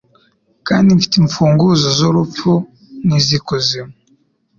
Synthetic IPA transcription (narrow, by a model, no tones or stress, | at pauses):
kaːndiɱfi̥teɱfuːŋɡuzozoɾufp͡fu | nizikuzimo